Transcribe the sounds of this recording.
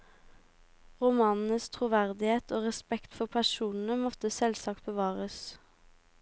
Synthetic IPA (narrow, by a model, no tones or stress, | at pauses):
ʁʊmɑːnn̩əst̪ʰʁʊʋæʁd̪ɪheːt̪ʰoːʁɛspɛkt̪fɔʁpʰæʃuːnn̩əmɔt̪əsɛlsɑːk̚t̪̚bəʋɑːʁəs